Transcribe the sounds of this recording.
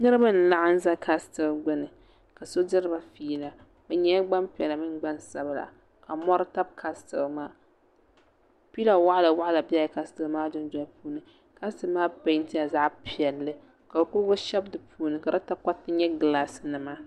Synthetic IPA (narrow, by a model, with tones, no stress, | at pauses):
nɨ˦ɾɨ˦ba˦n˨la˦ʔa˦n̩˦za˦kʰa˦stɨ˨lɡʊ˦nɨ˨ | ka˨so˦dɨ˦ɾɨ˦ba˦fiː˦la˨ | bɛ˨ɲɛ˦ɡ͡ba˦mpi˨ɛ˨la˨mɨ˦nɡ͡ba˦nsa˨bla̰˨ | ka˨mɔ˦ɾɨ˦ta˦b̚kʰa˦stɨ˨lmaː˦ | pi˦la˨wa˦ʔla˨wa˦ʔla˨bi˦a˦jka˦stɨ˨lmaː˦dʊ˦n˦dɔ˦pʰuː˦nɨ˨ | ka˦stɨ˦lmaː˦ba˦n˦tɪ˦ja˨za˦ʔpi˨ɛ˨lːɨ˦ | ka˨ba˨kʊ˦ɾɡʊ˦ʃɛ˦bdɨ˨pʰuː˦nɨ˨ka˨ɾa˦ta˦ka˦tːɨ˦ɲɛ˦ɡɨ˨la˦snɨ˨ma˦